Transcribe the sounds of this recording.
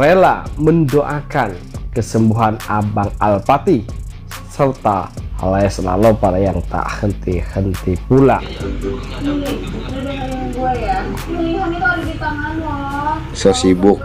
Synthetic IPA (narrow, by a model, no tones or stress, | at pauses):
ɾela̰məndoʔakankəsəmbuɦanabaŋalpat̪i | sərt̪a̰laɛsəla̰lopaɾajaŋt̪a̰hənt̪ihənt̪ipula̰ | adaaabuaja | hunit̪adiɡit̪amanɔ | səsibʊk̚